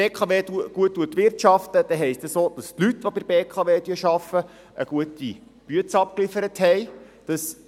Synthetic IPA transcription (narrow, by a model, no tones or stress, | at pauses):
eːkʰɑʋeːtuəɡ̥uətːuət̪ʋɪrtʃɑft̪əd̥ɛɦɛɪstəsoːd̥̪ɑst̪lyt̪ʋobɪɾbeːkʰɑʋeːd̪yəʃɑfə | ə̰ɡ̥uət̪i | b̥yət͡sɑp̚klifəɾət̪hɛɪ | d̥ɑs